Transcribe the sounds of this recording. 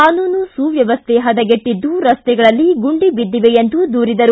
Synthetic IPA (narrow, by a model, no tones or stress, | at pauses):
aːnuːnusuːʋjɐʋɐst̪ʰeɦɐd̪ɐɡeʈːid̪ːuɾɐst̪ɛɡɐɭɐlːiɡuɳɖibid̪ːiʋejend̪ud̪uːɾid̪ɐɾu